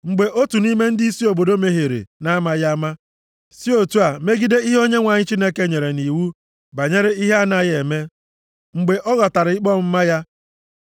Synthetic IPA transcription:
ŋ͡m̩˨ɡ͡be˨ʔo˦tu˨ni˦me˦n̩˦dɪ˦i˦si˦o˨bo˨do˦me˦ɦe˨ɾḛ˨na˦ma˦ja˦ma˦ | si˦o˨tu˦a˨me˦ɡi˦de˦i˦ɦo˦ɲe˦ŋʷa˨ɲɪ˦t͡ʃi˦ne˦ke˦ɲe˨ɾe˨ni˨wu˦ | ba˨ɲe˦ɾe˦i˦ɦe˦a˦na˨je˨me˦ | ŋ͡m̩˨ɡ͡be˨ʔɔ˦ɣɔ˨ta˨ɾɪ˨i˦k͡pɔ˦m̩˦ma˦ja˦

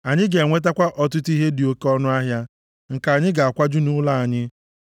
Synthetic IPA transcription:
a˨ɲɪ˦ɡe˨ŋʷe˦t̬a˦kʷa˦ʔɔ˨tʊ˦ti˦ɦe˦dɪ˨o˦ke˦ɔ˦nʊ˦a˦ɦja˦ | ŋ̩˨ka˨a˨ɲɪ˦ɡa˨a˨kʷa˦d͡ʒʊ˦nʊ˦la˦˨a˨ɲɪ˦

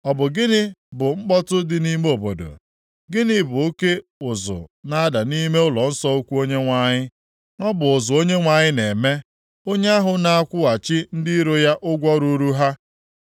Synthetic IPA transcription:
ɔ˨bʊ˨ɡɪ˦nɪ˦bʊ˨ŋ͡m̩˦k͡pɔ˦tʊ˦dɪ˨ni˦m˦o˨bo˨do̰˨ | ɡɪ˦nɪ˦bʊ˨o˦ke˦ʊ˨zʊ̰˨na˦da˨ni˦me˦ʊ˦lɔ˨n̩˦sɔ˦o˦kʷu˦o˦ɲe˦ŋʷa˦ɲɪ˦ | ŋɔ˦bʊ˨ʊ˨zʊ˨o˦ɲe˦ŋʷa˨ɲɪ˦ne˨me˦ | o˦ɲe˦a˦ɦʊ˨na˨a˦kʷʊ˦a˨t͡ʃɪ˦n̩˦dɪ˦ɾo˨ja˦ʔʊ˦ɡʷɔ˦ɾu˦ɾu˦ɦa˦

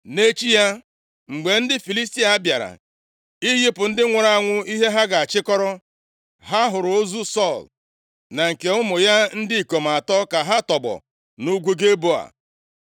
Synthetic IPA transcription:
ne˦t͡ʃi˦ja˦ | ŋ͡m̩˨ɡ͡be˨n̩˦dɪ˦fi˨li˦sti˦a˦bja˨ɾa̰˨ | i˦ɣi˦pʊ˨n̩˦dɪ˦ŋʷa˨ɾa˦˨a˨ŋʷʊ˦i˦ɦe˦ɦa˦ɡa˨a˨t͡ʃɪ˦kɔ˦ɾɔ˦ | ɦa˦ɦʊ˨ɾʊ˨o˦zu˦sɔ˦˨l | na˨ŋ̩˨ke˨ʊ˦mʊ˨ja˦n̩˦dɪ˦i˨ko˨m̩˨a˨tɔ˦ka˨ɦa˦tɔ˨bɔ̰˨ | nu˦ɡʷu˦ɡe˦bo˦a̰˨

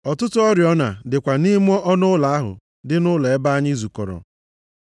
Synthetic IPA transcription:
ɔ˨tʊ˦tʊ˦ɔ˦ɾjɔ˦na̰˨dɪ˨kʷa˨ni˦m˦ɔ˦ʔɔ˦nʊ˦la˨a˦ɦʊ̰˨ | dɪ˦nʊ˦le˨e˦ba˦a˦ɲɪ˦zu˨kɔ̰˨ɾɔ̰˨

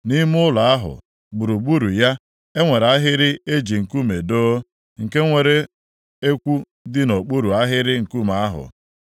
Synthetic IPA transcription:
ni˦m˦ʊ˦la˨a˦ɦʊ̰˨ | ɡ͡bu˨ɾu˨ɡ͡bu˦ɾu˨ja˦ | e˦ŋʷe˨ɾa˦ɦɪ˦ɾɪ˦e˦d͡ʒi˨ŋ̩˨ku˦me˨do˦ | ŋ̩˨ke˦ŋʷe˨ɾe˦ | e˦kʷu˦ | dɪ˦no˨k͡pu˦ɾu˨a˦ɦɪ˦ɾɪ˦ŋ̩˨ku˦ma˨a˦ɦʊ̰˨

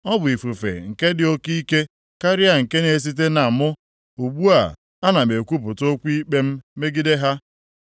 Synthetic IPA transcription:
ɔ˦bʊ˨i˨fu˨fḛ˨ŋ̩˨ke˦dɪ˨o˦ki˦ke˦ | ka˦ɾɪ˦a˦˨ŋ̩˨ke˦ne˨e˦˨s̬i˦t̬e˦na˨mʊ˦ | u˨ɡ͡bu˦a̰˨ | a˦na˨me˨kʷu˦p̬ʊ˨to˦kʷu˦i˦k͡pe˦m̩˦me˦ɡi˦de˦ɦa˦

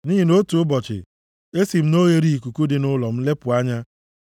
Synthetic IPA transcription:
niː˦i˨no˦tu˨ʊ˦bɔ˨t͡ʃɪ̰˨ | e˦si˨m̩˦no˦ɣe˨ɾi˦i˨ku˨ku˦dɪ˨nʊ˦lɔ˨m̩˦le˦pʊ˨a˦ɲa˦

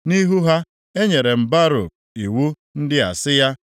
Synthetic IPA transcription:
ni˦ɦu˦ɦa˦ | e˦ɲe˨ɾe˨m̩˨ba˦ɾʊ̰˨ | i˨wu˦ | n̩˦dɪ˦a˨sɪ˦ja˦

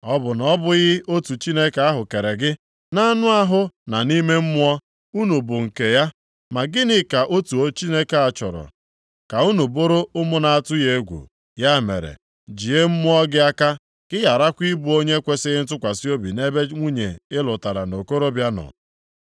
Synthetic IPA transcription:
ɔ˦bʊ˨nɔ˦bʊ˦ɣɪ˦ʔo˦tu˨t͡ʃi˦ne˦ke˨˦a˦ɦʊ˨ke˨ɾe˨ɡɪ˦ | na˦nʊ˦a˦ɦʊ˦na˨ni˦me˦m̩˦mʊ˦ɔ˦ | u˦nu˨bʊ˨ŋ̩˨ke˨ja˦ | ma˨ɡɪ˦nɪ˨ka˨ʔo˦tu˨o˦t͡ʃi˦ne˦ke˨a˨t͡ʃɔ̰˨ɾɔ̰˨ | ka˨u˦nu˨bo˦ɾo˦ʊ˦mʊ˦na˨a˦˨tʊ˦je˦ɡʷṵ˨ | ja˦˨mḛ˨ɾḛ˨ | d͡ʒi˨e˦m̩˦mʊ˦ɔ˦ɡɪ˦a˦ka˦ | kɪ˦ja˨ɾa˦kʷi˦bu˦o˦ɲe˦kʷe˦sɪ˦ɣɪ˦n̩˦t̬ʊ˦kʷa˨si˦o˦bḭ˨ne˦be˦ŋʷu˦ɲe˨ɪ˦lʊ˨ta˨ɾa̰˨no˨ko˦ɾo˦bja˦nɔ̰˨

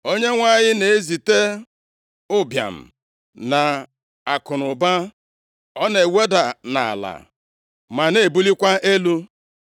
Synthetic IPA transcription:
o˦ɲe˦ŋʷa˦˨ɲɪ˦ne˨e˦zi˨te˦ | ʊ˦bja̰˨m̩̰˨ | na˨ | a˨kʊ˨nʊ˨ba˦ | ɔ˦ne˨we˦da˨na˨a̰˨la̰˨ | ma˨ne˨bu˦li˦kʷa˦ʔe˦lu˦

